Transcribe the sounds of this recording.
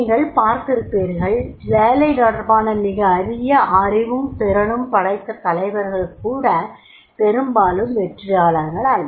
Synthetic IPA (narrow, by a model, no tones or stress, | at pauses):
ŋɡɐɭpaːɾk̪ɪɾɯpːeːɾɣɐɭʋeːlɐɪnɔɽɐɾbaːnɐmɪɣɐːðɪjɐʔɐrɪʋɯmpɛɾɐɳɯmpɐɽɐɪt̪ːɐt̪ɐlɐɪʋɐɾɣɐɭɯkːuːɽɐ | pɛɾɯmbaːlɯmʋɛʈrɪjaːlɐŋɡɐɭaːn